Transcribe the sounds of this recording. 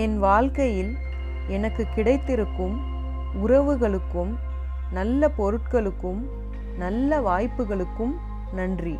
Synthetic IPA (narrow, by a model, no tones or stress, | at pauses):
ɛnʋaːɻkɐjɪl | ɛnɐkːɯkɪɽɐɪt̪ːɪɾɯkːɯm | ʊrɐʋɯɣɐɭɯkːɯm | nɐlːɐpɔɾɯʈ̚kɐɭɯkːɯm | nɐlːɐʋaːjpːɯɣɐɭɯkːɯm | nɐndri